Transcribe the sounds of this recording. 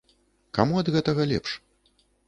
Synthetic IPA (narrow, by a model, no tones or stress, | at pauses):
ka̰muɐd̪ɣɛt̪ɐɣɐlʲɛ̰pʂ